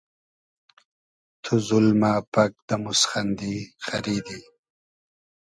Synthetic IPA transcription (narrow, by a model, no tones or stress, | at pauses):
t̪ʰuzulmapak̚d̪əmusxand̪ixaɾid̪i